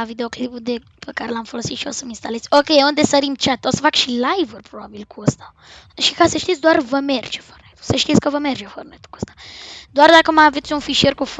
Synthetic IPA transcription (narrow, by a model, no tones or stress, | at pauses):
avid̪eoklipud̪e | pekaɾelamfolosit̪ʃiosəminst̪alesʲokʲeund̪esəɾimt͡ʃat̪ːosəfakʃilajvurpɾobabilkuəst̪ḁ | ʃikasəʃt̪it̪s̬ʲd̪oarvəmerd͡ʒefornet̪u̥səʃt̪it̪sʲkəvəmerd͡ʒefornet̪u̥kuəst̪ḁd̪oard̪akəmaavet̪sʲunfiʃierkuf